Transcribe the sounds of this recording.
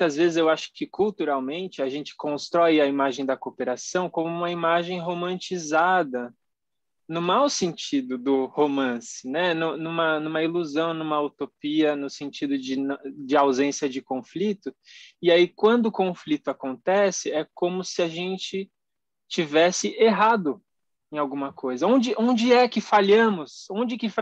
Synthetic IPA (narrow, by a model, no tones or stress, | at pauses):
t̪ɐzvezɪzewaʃʊ̥kɪkult̪uɾawmẽnt͡ʃɪaʒẽnt͡ʃɪ̥kõst̪ɾɔjɐimaʒẽj̃d̪ɐkopeɾasɐ̃w̃kõmʊũmɐimaʒẽj̃ɦomɐ̃nt͡ʃizad̪ɐ | nʊmawsẽnt͡ʃid̪ʊd̪ʊhomɐ̃sɪnɛnũnũmɐnũmɐiluzɐ̃w̃nũmɐut̪opiɐnʊsẽnt͡ʃid̪ʊd͡ʒɪnd͡ʒɪawzẽsiɐd͡ʒɪkõflit̪ʊɪaikwɐ̃nd̪ʊʊkõflit̪ʊakõnt̪ɛsɪɛkõmʊsɪaʒẽnt͡ʃɪ | t͡ʃivɛsɪʔeɦad̪ʊ | ẽj̃awɡũmɐkojzɐõnd͡ʒɪʔõnd͡ʒɪɛkɪfaʎɐ̃mʊsõnd͡ʒɪkɪf